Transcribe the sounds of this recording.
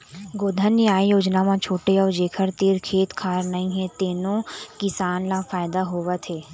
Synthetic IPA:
ɡoːd̪ʱənːjaːijoːd͡ʒnamãt͡ʃʰoːʈeɔːɾd͡ʒeːkʰəɾt̪eɾkʰeːt̪kʰaːɾnɐĩɦɛ̃t̪eːnõkɪsaːnlafaːɪd̪aɦoːʋat̪ʰeː

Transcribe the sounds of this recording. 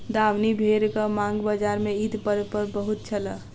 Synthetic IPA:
d̪awnibʱeɾkəmãŋɡbəd͡ʒaɾmeid̪pəɾpəɾbəɦut̪̚t͡ʃʰələ

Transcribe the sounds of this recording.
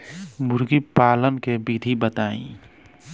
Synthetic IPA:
mʊɾɡipaːlənkebid̪ʱibət̪aːḭ̃

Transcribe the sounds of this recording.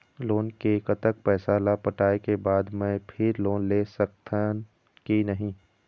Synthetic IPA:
loːnkekət̪ək̚pɛːsaːlapɐʈaːekebaːd̪mɛ̃ːpʰɪɾloːnlesɐkt̪ʰa | kinɐɦĩ

